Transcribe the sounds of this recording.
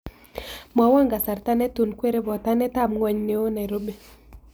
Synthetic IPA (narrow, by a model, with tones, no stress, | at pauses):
mɔ˨wɔ˦ŋɡa˨sa˨ɾta˦nɛ˦tu˨nkwe˦ɾe˦bɔ˨ta˦nɛ˦ta˦˨mŋwɔ˨ɲne˨˦o˦na˨ɾo˦be˨